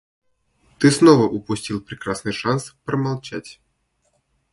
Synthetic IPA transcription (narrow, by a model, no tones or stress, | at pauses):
t̪ɨsnɔvɐʔupusʲt͡sʲilˠpɾɛkɾasnɨʂanspɾɐmalˠt͡ʃat͡sʲ